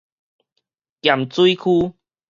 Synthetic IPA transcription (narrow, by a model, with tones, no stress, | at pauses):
kja˨˩mt͡su˦i˦kʰu˦